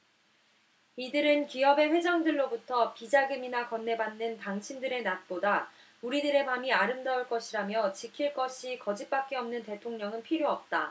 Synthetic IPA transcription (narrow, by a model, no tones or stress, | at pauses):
idɯɾɯnkiʌbe̞ɸwe̞d͡ʑʌŋdɯɭːobutʰʌpid͡ʑaɡɯminakʌnːe̞banːɯntaŋt͡ɕʰindɯɾe̞nat̚p͈oda | uɾidɯɾe̞mamiaɾɯmdauɭk͈ʌɕʰiɾamjʌt͡ɕikʰiɭk͈ʌɕʰikʌd͡ʑip̚p͈ak̚k͈e̞ʌmnɯnte̞tʰoŋɲʌŋɯnpʰiɾjoʌp̚t͈a